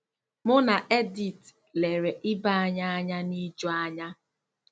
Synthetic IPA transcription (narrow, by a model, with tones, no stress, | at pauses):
mʊ˦na˨ʔe˦di˨t | le˨ɾe˨ʔɪ˦ba˦a˦ɲa˦a˦ɲa˦ni˦d͡ʒɔ˦a˦ɲa˦